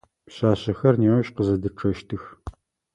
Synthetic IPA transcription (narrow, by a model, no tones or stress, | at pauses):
ɕaːɕɐxɐrneːwɐɕqəzɐdɨʈ͡ʂʰɐʃtʰɨx